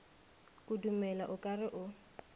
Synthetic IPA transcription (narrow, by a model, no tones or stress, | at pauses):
kʼudumɛlaʔʊkʼarɪʔʊ